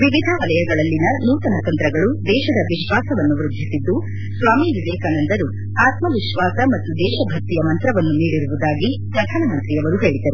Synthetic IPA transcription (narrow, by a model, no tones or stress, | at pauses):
ʋiʋid̪ʱɐʋɐlɐjɐɡɐɭɐlːinɐnuːt̪ɐnɐt̪ɐnt̪ɾɐɡɐɭud̪ɛːʃɐd̪ɐʋiʃʋaːsɐʋɐnːuʋɾud̪ʱisid̪ːu | sʋaːmiːʋid̪ɛːkaːnɐnd̪ɐɾu | aːt̪mɐʋiʃʋaːsɐmɐt̪ːud̪ɛːʃɐbʱɐk̚t̪ːijɐmɐnt̪ɾɐʋɐnːuniːɽiɾuʋud̪aːɡipɾɐd̪ʱaːnɐmɐnt̪ɾijɐʋɐɾuɦeːɭid̪ɐɾu